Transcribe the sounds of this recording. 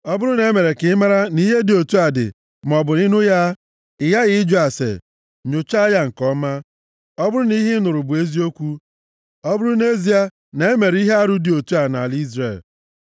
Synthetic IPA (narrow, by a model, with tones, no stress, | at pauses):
ɔ˦bʊ˦ɾʊ˦ne˨˦me˨ɾe˨kɪ˨˦ma˦ɾa˦ni˦ɦe˦dɪ˨o˨tu˦a˨dɪ̰˨ | m˨ɔ˨bʊ˨ni˦nʊ˦ja˦ | ɪ˨ja˦ɣɪ˦ɪ˦d͡ʒu˦a˨sḛ˨ | ɲʊ˨t͡ʃa˦ja˦ŋ̩˨kɔ˦ma˦ | ɔ˦bʊ˦ɾʊ˦ni˦ɦɪ˦nʊ˨ɾʊ˨bʊ˨e˦zi˦o˦kʷu˦ | ɔ˦bʊ˦ɾʊ˦n˦e˦zi˨a˨ | ne˨e˦me˨ɾi˦ɦe˦a˦ɾu˦dɪ˨o˨tu˦a˨na˨li˦zɾe˨l